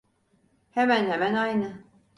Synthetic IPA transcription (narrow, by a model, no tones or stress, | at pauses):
hemænhemænajnɯ